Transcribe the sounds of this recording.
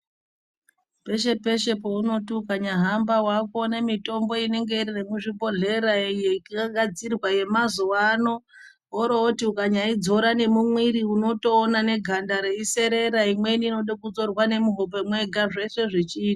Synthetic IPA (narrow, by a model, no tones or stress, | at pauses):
pe̞ʃe̞pe̞ʃe̞pouno̞tiukaɲaɦambawako̞ne̞mito̞mbo̞ine̞ŋɡe̞iɾinemuʐibo̞ɮe̞ɾajekiaɡʱad͡zirwaje̞mazuwano̞ | ɦoɾootiukaɲaid͡zo̞ɾane̞mumwiɾiuno̞to̞ːnane̞ɡʱandaɾeise̞ɾe̞ɾaimwe̞nino̞ɗakud͡zo̞rwane̞muɦop̬e̞mwe̞ɡʱaʐe̞se̞ʐet͡ʃiːtḁ